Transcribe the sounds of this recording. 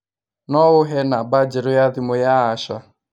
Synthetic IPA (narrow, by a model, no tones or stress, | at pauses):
nɔɣʊɦenabad͡ʒɪɾʊjadɪmʊjaɦaʃa